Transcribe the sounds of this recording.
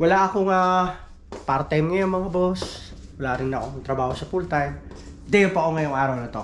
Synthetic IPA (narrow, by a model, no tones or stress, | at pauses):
wɐlaʔɐkoŋa | paːɾɐt̪ajmŋɐjɐŋmɐŋabos | wɐlaːɾɪnnɐʔokt̪ɾɐbaːhosɐpult̪ɐj | d̪ɛjpɐkoŋɐjoŋʔaːɾɐwnɐt̪o